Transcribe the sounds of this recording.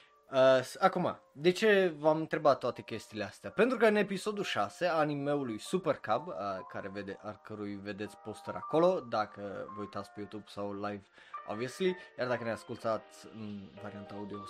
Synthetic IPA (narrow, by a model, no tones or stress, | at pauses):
əsakoma̰ | d̪ɛt͡ʃɛvamt̪ɾɛbat̪oat̪ɛkɛst̪ilʲast̪apɛnd̪ɾukanɛpisod̪uʃasɛanimɛulujsupɛɾkabkaɾɛvɛd̪aɾkəɾuivɛd̪ɛt͡spost̪ɔɾa̰kolod̪akvojt̪aspojut̪upsawlajv | a̰vjəslijaɾd̪akanɛaskult̪at͡svaɾiant̪aad̪io